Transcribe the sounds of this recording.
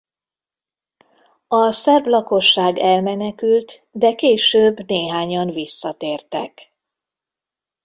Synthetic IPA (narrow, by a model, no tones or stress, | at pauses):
ɒsɛrblɒko̞ʃːaːɡɛlmɛnɛkylt̪ | d̪ɛkeːʃøːbneːɦaːɲɒnvisːɒt̪eːrt̪ɛk